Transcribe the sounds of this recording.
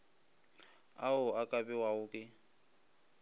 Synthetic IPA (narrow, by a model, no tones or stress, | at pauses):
aʊakʼabʼɛwaʊkʼɪ